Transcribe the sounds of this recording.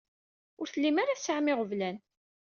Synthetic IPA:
ʊɾθəlːimaɾaθsəʕmɪʁəvlæn

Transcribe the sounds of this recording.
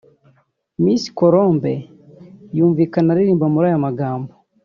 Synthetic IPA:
miːsi̥koɾoːmbe | juːɱviːkanaɾiɾiːmbamuɾajamaɡaːmbo

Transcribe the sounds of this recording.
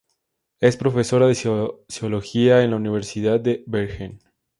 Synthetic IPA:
e̞spɾo̞feso̞ɾaðesioloxiaenlauniβeɾsiðaðd̪eβeɾxen

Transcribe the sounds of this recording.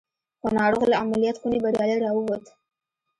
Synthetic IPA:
xənɑɽoɣlaamalijat̪xunebaɾjɑləjɾɑwəwat̪ə

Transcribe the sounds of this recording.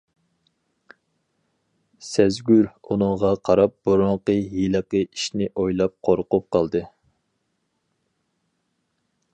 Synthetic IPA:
sɛzɡʲyɾunɨŋʁɑqʰɑɾɑp̚b̥uɾoŋqəjilˠəqəiʃnɪʔojlˠɑp̚qʰoɾqʊp̚qʰɑlˠd̪ɨ

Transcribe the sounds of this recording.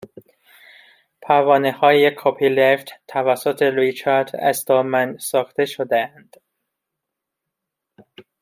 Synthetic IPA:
pʰævɒːnehɒːjekʰopʰileft̪t̪ʰːævæsːot̪ʰeɾit͡ʃʰæɾd̪æ̰zd̪ɒːmænsɒːxt̪e̞ʃod̪eænd̪̥

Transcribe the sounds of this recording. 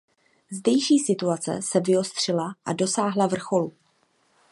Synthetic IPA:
zdɛjʃiːsɪt̪uat͡sɛ̰sɛvɪo̞st̪r̝̥ɪlaʔa̰do̞saːɦlavr̩xo̞lu

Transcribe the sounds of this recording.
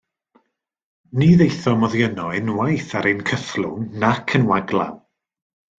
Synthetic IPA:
niðejθɔmɔðjənɔɨnwajθaɾenkʰəθlˠʊ̰ŋnakʰənwaɡlˠa̰w

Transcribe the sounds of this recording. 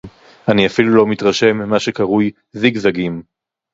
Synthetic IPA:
aniafilulo̞mit̪ʁaʃe̞mːimaʃekaʁuj | ziɡzaɡim

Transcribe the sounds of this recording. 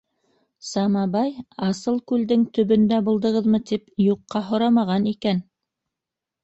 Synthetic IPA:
sɑmɑbɑjɑsɤlˠkʉld̪ɘŋt̪ɵ̆βɵ̆nd̪æbulˠd̪ɤ̆ʁɤðmɤt̪ipjuqːɑɦŏɾɑmɑʁɑnikæn

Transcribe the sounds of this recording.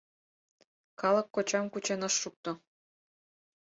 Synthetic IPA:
kɑləkːot͡ɕɑmkut͡ɕenəʃːuk̚t̪o

